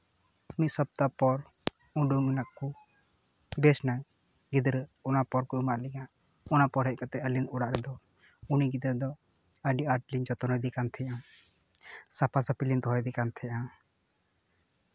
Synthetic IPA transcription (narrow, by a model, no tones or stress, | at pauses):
mit̪səb̚t̪apɔɾ | ũɖuminaʔku | bɛsnaj | ɡid̪ɾɛɔnapɔɾkɔumaʔlɛɡa | ɔnapɔɾɦɛc̚kat̪ɛəlinɔɽaʔɾɛd̪ɔ | uniɡid̪ɾd̪ɔ | əɖiaɾʈlind͡ʒɔt̪ɔnɔjd̪ikant̪ʰɛjã | sapʰasəpilint̪ɔɦɔjd̪ikant̪ʰɛjã